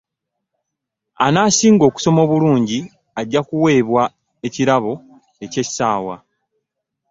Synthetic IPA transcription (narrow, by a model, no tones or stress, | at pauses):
a̰naːsiːŋɡo̞ːku̥so̞mo̞ːβuluːɲɟi | aɟːakuwe̞ːβwa | e̞ciɾaβo̞ | e̞ce̞̥saːwa̰